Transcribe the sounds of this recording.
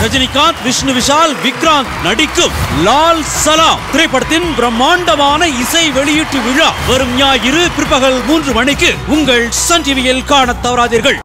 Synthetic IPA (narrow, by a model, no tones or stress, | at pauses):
ɾɐd͡ʒɐnɪkːaːnt̪ʋɪʂnɯʋɪʂaːlʋɪkɾaːnt̪nɐɽɪkːɯmlaːlsɐlaːmt̪ɪɾɐɪpːɐɽɐt̪ːɪnbɪɾɐmːaːnd̪ɐmaːnɐɪsɐɪʋɛɭɪjɪʈːɯʋɪɻaːʋɐɾɯmɲaːjɪɾɯpɪɾpːɐɣɐɭmuːndrɯmɐɳɪkːɯʊŋɡɐɭsɐnd͡ʒɪʋɪjɐlkaːɳɐt̪ːɐʋɐɾaːðiːɾɣɐɭ